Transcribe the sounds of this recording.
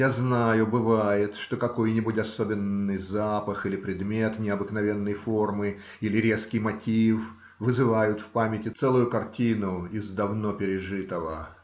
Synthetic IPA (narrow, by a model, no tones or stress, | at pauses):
jaznajʊbɨvajɪt̪ʂt̪o̞kɐko̞jnʲibutʲɐso̞bʲɪnːɨjzapəxilʲɪpɾʲɪd̪mʲe̞t̪nʲɪɐbɨknɐvʲe̞nːəjfo̞rmɨ | ilʲɪɾʲe̞skʲɪjmɐtʲif | vɨzɨvajʊt̪fpamʲɪtʲɪt̪sɛlˠʊjʊkɐrtʲinʊɪzd̪ɐvno̞pʲɪɾʲɪʐɨt̪əvə